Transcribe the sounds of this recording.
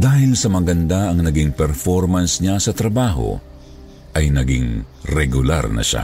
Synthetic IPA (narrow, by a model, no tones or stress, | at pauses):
d̪aːhɪlsɐmɐɡɐnd̪aʔɐŋnɐɡɪŋpɛɾfoɾmɐnsɲasɐt̪ɾɐbaːɦo̞̰ | ʔɐjnɐɡɪ̰ŋ | ɾɛɡʊla̰ɾnɐ̰ʃa̰